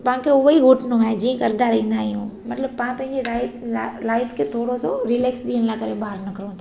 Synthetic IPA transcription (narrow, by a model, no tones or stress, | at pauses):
paãkʰeʊʋiɦʊʈʰnõaːɦed͡ʑiːə̃kɐɾd̪aɾɐɦĩnd̪aːɦijũːmɐt̪ləb̚pãpɐ̃ɦɪ̃ɲd͡ʑelalaːjt̪kʰet̪ʰoːɽosoɾɪleːksɗ̪iːəñlakɐɾebaːɾnɐkɾõːna